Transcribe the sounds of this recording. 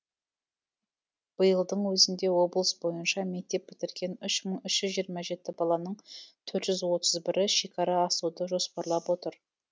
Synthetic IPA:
b̥əjəlˠd̪əɴwɵzɪnd̪e̞wo̞blˠəsbo̞jənʃɑme̞k̚t̪e̞p̚bɪt̪ɪɾɡʲe̞nʏʃməɴʏʃʒʏzʒijəɾmɑʒe̞t̪ɪbɑlˠɑnəɴt̪ʰɵɾt̪ʒ̥ʏzwo̞t̪əzbɪɾɪʃe̞kʰɑɾɑːsud̪əʒo̞spɑɾlˠɑpwo̞t̪əɾ

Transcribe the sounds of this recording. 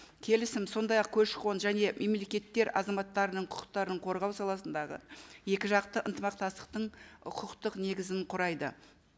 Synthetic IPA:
kʲʰe̞lɪsɪmso̞nd̪ɑjɑq̚kʲʰɵʃqo̞nʒæne̞mʔe̞mle̞kʲe̞t̪ːe̞ɾɑ̰zɑmɑt̪ːɑɾənəɴqʰʊ̥qə̥q̚t̪ɑɾəəɴqʰo̞ɾʁɑwsɑlˠɑsənd̪ɑʁə̰je̞kʲɪʒɑqt̪əʔənt̪əmɑq̚t̪ɑst̪ə̥q̚t̪əɴʊqʰəqt̪əqne̞ɡʲɪzɪnqʰʊɾɑjd̪ə

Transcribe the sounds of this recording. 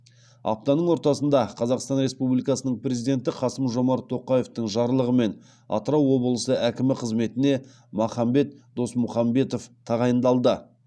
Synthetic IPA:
ɑ̰p̚t̪ɑnəɴwo̞ɾt̪ɑsənd̪ɑqʰɑzɑqst̪ɑnɾe̞spublijkɑsənəɴpɾʲe̞zijd̪e̞nt̪ɪqʰɑsəmʒo̞mɑɾt̪ʰːo̞qɑje̞ft̪əɴʒɑɾlˠəʁəme̞n | ɑ̰t̪əɾɑwːo̞bəlˠəsəʔækʲɪmɪqʰəzme̞t̪ɪne̞ | mɑχɑmbe̞t̪d̪̥o̞smʊχɑmbe̞t̪o̞ft̪ʰɑʁɑjənd̪ɑlˠd̪ə

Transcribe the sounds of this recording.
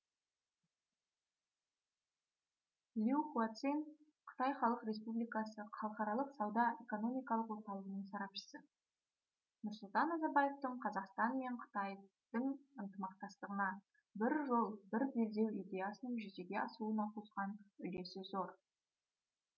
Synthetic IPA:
lʲiuquat̪sin | qʰə̥t̪ɑjχɑlˠəqɾe̞spublijkɑsəχʰɑlˠəqɑɾɑlˠəqsɑwd̪ɑe̞ko̞no̞mijkɑlˠəqwo̞ɾt̪ɑlˠəʁənəɴsɑɾɑpʃə̥sə | nʊɾsʊlˠt̪ɑnːɑzɑɾbɑje̞ft̪əɴqʰɑzɑqst̪ɑnme̞ɴqʰə̥t̪ɑj | d̪̥əɴənt̪əmɑq̚t̪ɑst̪əʁənɑ | bɪɾʒo̞lˠbɪɾbe̞ld̪e̞wid̪ʲe̞jasənəɴʒʏze̞ɡʲe̞ɑsəlˠuənɑqʰozʁɑnʏle̞sɪzo̞ɾ

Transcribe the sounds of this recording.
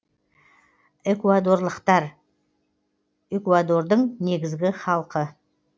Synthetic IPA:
ekuad̪o̞ɾlˠəqt̪ɑɾ | ekuad̪o̞ɾd̪əɴne̞ɡʲɪzɡʲɪχɑlˠqə

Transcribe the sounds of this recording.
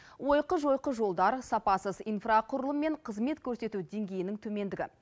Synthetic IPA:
wo̞jqəʒo̞jqəʒo̞lˠd̪ɑɾsɑpɑsəzijnfraqʰʊɾəlˠəmːe̞ɴqʰəzme̞t̪kʲʰɵɾse̞t̪ud̪e̞ŋɡʲe̞jɪnɪŋt̪ʰɵme̞nd̪ɪɡʲɪ̰

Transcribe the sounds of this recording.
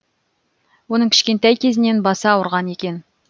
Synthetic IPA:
wo̞nəɴkʲɪ̥ʃʲkʲe̞nt̪æjkʲʰe̞zɪne̞nbɑsɑwəɾʁɑne̞kʲe̞n

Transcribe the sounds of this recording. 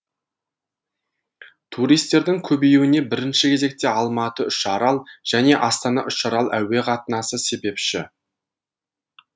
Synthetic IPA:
t̪ʰuɾijst̪ːe̞ɾd̪ɪŋkʲʰɵbejewɪne̞bɪɾɪnʃɪkʲʰe̞ze̞k̚t̪e̞ɑlˠmɑt̪əʏʃɑɾɑlˠʒ̥æne̞ʔɑst̪ɑnɑ̰ʔʏʃɑɾɑlˠʔæwe̞qʰɑt̪ənɑsəse̞be̞pʃɪ

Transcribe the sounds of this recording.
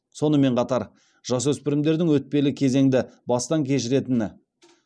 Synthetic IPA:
so̞nəme̞ɴqʰɑt̪ɑɾ | ʒ̥ɑswɵspɪɾɪmd̪e̞ɾd̪ɪŋwɵt̪̚pe̞lɪkʲʰe̞ze̞ŋd̪ɪbɑst̪ɑŋkʲʰe̞ʃ̬ɪɾe̞t̪ɪnɪ

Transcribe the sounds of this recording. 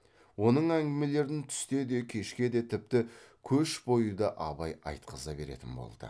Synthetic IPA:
wo̞nəɴæŋɡʲɪme̞le̞ɾd̪ɪnt̪ʰʏ̥st̪e̞d̪e̞kʲʰe̞ʃkʲe̞d̪e̞t̪ʰɪp̚t̪ɪkʲʰɵʃbo̞jəd̪ɑʔɑbɑjɑ̰jt̪qəzɑbe̞̰ɾḛt̪ɪnbo̞̰lˠd̪̥ə̰

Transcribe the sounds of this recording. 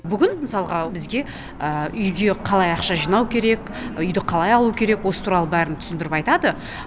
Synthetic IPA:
bʏɡʲɪnməsɑlˠʁɑbɪzɡʲe̞ | əʏjɡʲe̞qʰɑlˠɑjɑχʃɑʒijnɑwkʲʰe̞ɾe̞k | ʏjd̪ɪqʰɑlˠɑjɑlˠuəkʲʰe̞ɾe̞kwo̞sə̥t̪ʰuɾɑlˠəbæɾɪnt̪ʰʏ̥sɪnd̪ɪɾɪpɑjt̪ɑd̪ə

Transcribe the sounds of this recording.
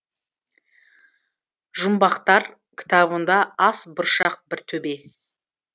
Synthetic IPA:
ʒʊmbɑqt̪ɑɾ | kʲʰɪ̥t̪ɑβənd̪ɑɑsbʊɾʃɑq̚bɪɾt̪ʰɵbe̞

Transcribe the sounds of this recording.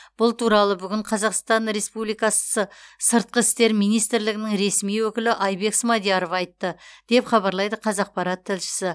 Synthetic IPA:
b̥ʊlˠt̪ʰuɾɑlˠəbʏɡʲɪɴqʰɑzɑqst̪ɑnɾe̞spublijkɑssəsəɾt̪̚qəɪst̪e̞ɾmijnijst̪ɾlɪɡʲɪnɪŋɾe̞smijwɵkʲɪlɪʔɑjbe̞ksmɑd̪ijaɾo̞vɑjt̪ːəd̪̥e̞pχɑβɑɾlˠɑjd̪əqʰɑzɑq̚pɑɾɑt̪ʰːɪlʃɪ̥sɪ

